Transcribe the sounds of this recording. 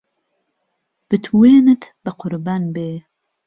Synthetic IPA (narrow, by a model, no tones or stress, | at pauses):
b̥ɨt̪ʰweːnɨt̪ʰbɨqʰʊɾbanbeː